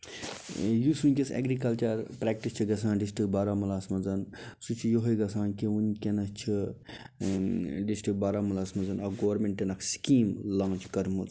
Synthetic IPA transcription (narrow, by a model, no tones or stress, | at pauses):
jusunʲkʲesḛːɡɾikɐlt͡ʃɐɾpɾaːk̚ʈist͡ʃʰiɡɐsãːnɖisʈɾik̚baːɾaːmulaːsmɐnzɐn | sut͡ʃʰijoɦɐjɡɐsãːnkiunkʲenɐst͡ʃʰi | ɖisʈɾik̚baːɾaːmulaːsmɐnd͡zɐnɐɡoʋɾmeɳʈːenɐkʰskiːmlãːt͡ʃʰkɐɾmuz